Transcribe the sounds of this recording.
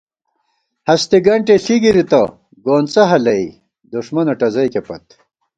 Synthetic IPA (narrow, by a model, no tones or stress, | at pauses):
hɐst̪iɡɐɳʈeɬiɡiɾit̪ɐ̰ | ɡoːnt͡sɐɦɐlɐi | d̪uʂmɐnɐʈɐzɐjkepɐt̪